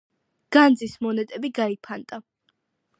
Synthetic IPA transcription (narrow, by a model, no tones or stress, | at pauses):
ɡ̥and̪zismɔnɛt̪ʼɛbiɡaipʰant̪ʼa